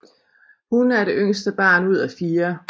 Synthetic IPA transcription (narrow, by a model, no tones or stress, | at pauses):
hunæɐɾe̝ʔøŋ̰sd̥əb̥ɑ̰̈ːnuð̞̰ˠæfiːɐ